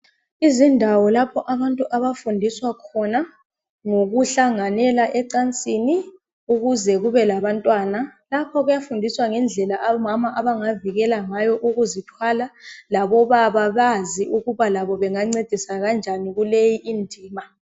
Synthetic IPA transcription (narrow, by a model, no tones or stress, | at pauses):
izindʱawɔlapʰɔʔaβantʼuʔaβafundʱiswakʰɔna | ŋoɣuɬaŋanɛlaʔɛǃant͡sʼini | uɣuzɛɣuβɛlaβantʼwaːnalapʰɔɣujafundʱiswaŋɛnd͡ɮʱɛlaʔaɔmamaʔaβaŋaviɣɛlaŋajɔʔuɣuzitʰwalalaβɔβaβaβaziʔuɣuβalaβɔβɛŋaŋ͡ǀed̥ʱisaɣand͡ʒʱaniɣulejiʔindʱiːma